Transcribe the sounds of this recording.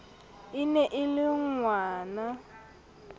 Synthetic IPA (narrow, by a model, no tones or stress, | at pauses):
inɛʔɪlɪŋwaːna